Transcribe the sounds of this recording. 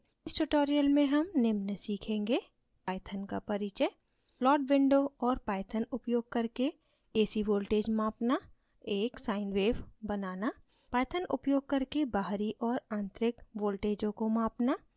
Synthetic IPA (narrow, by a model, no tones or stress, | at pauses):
ɪsʈʊʈoːɾijəlmẽɦɐmnɪmnəsiːkʰẽːŋɡe | paːjt̪ʰənka̰pɐɾit͡ʃə | plɔːɖʋɪ̃ɳɖoɔːɾpaːjt̪ʰənʊpjoːɡ̚kɐɾke | eːsiʋoːlʈeːd͡ʒmãːpna | eːksaːɪnweːʋbənaːna | paːjt̪ʰənʊ̰pjoːɡ̚kɐɾkebaːɦɾiʔɔːɾãːnt̪ɾɪkwoːlʈeːd͡ʒõkõmãːpna